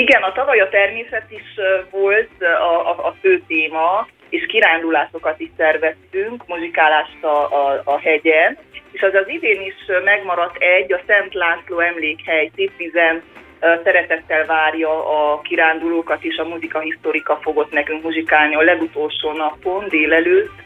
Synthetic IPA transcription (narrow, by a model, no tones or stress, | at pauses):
iɡɛnɒt̪ɒvɒjɒt̪ɛrmeːsɛt̪iʃvolt̪ɒːføːt̪eːmɒ | eːʃkiɾaːnd̪ulaːʃo̞kɒt̪iʃsɛrvɛst̪yŋkmuʒikaːlaːʃt̪ɒːhɛɟɛneːʃɛzɒziveːniʃmɛɡmɒɾɒt̪ːɛɟːɒsɛnt̪laːnsloːɛmleːkhɛjseːp̪ʋizɛn | sɛɾɛt̪ɛt̪ːɛlvaːrjɒɒkiɾaːnd̪uloːkɒt̪eːʃɒmuzikɒɦist̪oɾikɒfo̞ɡo̞t̪nɛkyŋkmuzikaːlniɒlɛɡut̪o̞lʃoːnɒpo̞nd̪eːlɛløːt̪ː